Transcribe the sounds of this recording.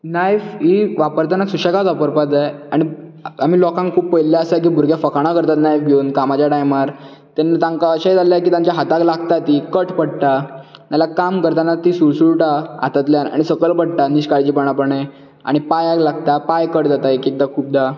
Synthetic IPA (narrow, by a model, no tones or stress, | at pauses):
najfiʋapəɾt̪anasuɕakat͡sapəɾpat̪aaɽ̃iam̤iːlɔkãŋkkʰuːpːəjlːjaəsak̬iːbʱuɾɡjafəkaɽ̃akəɾt̪at̪najfɡjoːnkamat͡ɕaʈajmaɾ | t̪anːat̪ãŋkaəɕad͡zaljak̬iːt̪ãɲt͡ɕjaɦat̪aklaɡt̪at̪ikəʈpəɽʈ̪amalakamkəɾt̪anat̪iːsuɾsuɭʈaa̰t̪at̪ljana̰ɽ̃isəkəɭpəɽʈ̪aniɕkaɾt͡ɕiːpəɽ̃apəɳe | a̰ɽ̃ipajaklaɡt̪apajkəɽd͡z̪at̪aekik̚d̪akʰuːp̚d̪a